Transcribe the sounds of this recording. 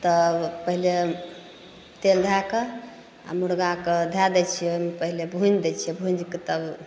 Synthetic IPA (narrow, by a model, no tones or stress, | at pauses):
t̪əpəɦile | t̪eld̪ʱakə | a̰muɽɡaked̪ʱad̪ɛt͡ʃʰiojmepəɦilebʱũnd͡ʒd̪ɛt͡ʃʰiɛbʱũnd͡ʒket̪əb